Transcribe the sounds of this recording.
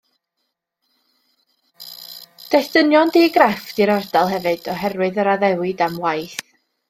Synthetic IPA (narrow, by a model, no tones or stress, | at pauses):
d̥ɛsd̥ənjɔndiːɡrafd̥iɾɔrdalˠɦɛvɨd̥ɔɦɛrwɨðɔɾaðɛwɪdamwajθ